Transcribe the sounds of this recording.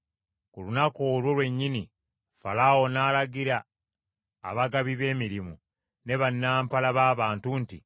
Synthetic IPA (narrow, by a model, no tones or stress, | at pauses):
kulunakoːlwo̞lwe̞ɲːini | falawo̞naːlaɡiɾa̰ː | βaɡaβiβe̞ːmiɾimu | ne̞βanːaːmpalaβaːβaːntunti